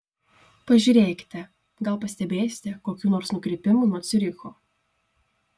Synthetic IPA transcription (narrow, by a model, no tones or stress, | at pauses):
pɐʒʲuːɾʲeːkʲɪ̥t̪ʲɛ | ɡɐlˠˑpɐsʲt̪ʲɛbʲeːsʲɪ̥t̪ʲɛkoːkʲuːnoːɾsnʊkɾʲɪːpʲɪmuːnuɔt̪sʲɪɾʲɪxoː